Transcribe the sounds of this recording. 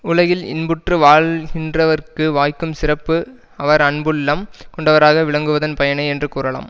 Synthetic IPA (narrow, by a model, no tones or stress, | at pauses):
ʊɭɐjɪlɪ̰nbɯʈrɯʋaːɭɣɪndrɐʋɐɾkɯʋaːjkːɯmsɪrɐpːɯ | ɐʋɐɾɐɳbɯlːɐmkɔɳɖɐʋɐɾaːɣɐʋɪɭɐŋɡɯʋɐðɐnpɐjɐɳɐɪɛndrɯkuːɾɐɭa̰ːm